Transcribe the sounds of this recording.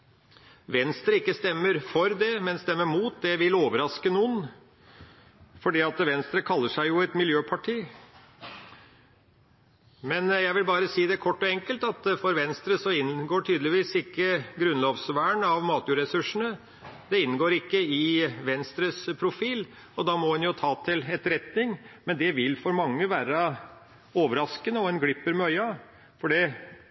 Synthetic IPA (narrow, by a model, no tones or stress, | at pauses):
ʋɛnst̪ɾəɪkːəst̪ɛmːəɾfɔɾd̪ɛmɛnst̪ɛmːəɾmuːt̪̚d̪ɛʋɪloːʋəɾɑskənuːən | fɔɖiːɑt̪ʋɛnst̪ɾəkʰɑlːəʂæɪjʊɛt̪mɪljøːpʰɑʈʰiː | mɛnjæɪʋɪlbɑːɾəsiːd̪ɛkʰɔʈːɔɛŋkəlt̪ɑt̪fɔɾʋɛnst̪ɾəsɔɪnɡoːʈʰyːd̪lɪʋiːsɪkːəɡɾʉnloːʋsʋæːəɳɑʋmɑːt̪jʉːɾɛsʉʂəɳ̩ə | d̪ɛɪnːɡoːɾɪkːəɪʋɛnst̪ɾəspʰɾʊfiːl | ɔd̪ɑːmɔɛnjʊt̪ʰɑːt̪ʰɪlɛt̪ɾɛt̪nɪŋmɛnd̪ɛʋɪlfɔɾmɑŋːəʋæːɾə | oːʋəɾɑskənəɔɛnɡɽɪpːəɾmɛœʏɑ | fɔɖɛ